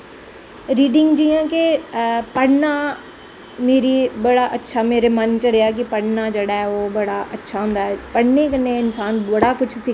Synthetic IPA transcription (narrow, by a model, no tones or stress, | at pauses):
ɾiːɖɪŋɡd͡ʒijãːkepəɽnaː | meːɾibəɽaʔətːʃʰameːɾemənt͡ʃəɽejak̬ipəɽnad͡ʒeɽaɛoːbɐɽaʔətːʃʰaːɦʊ̃nd̪aːɦɛːpəɽnekəneɪnsaːnbɐɽakʊt͡ʃʰsɪ